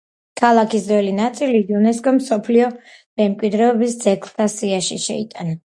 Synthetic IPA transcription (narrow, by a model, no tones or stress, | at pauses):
kʰalˠakʰisd̪ɛlinat̪sʼiliunɛskʼɔmsɔpʰliɔ | mɛmkʼwid̪ɾɛɔbisd̪z̥ɛkʰlˠt̪ʰasiaʃiʃɛit̪ʼana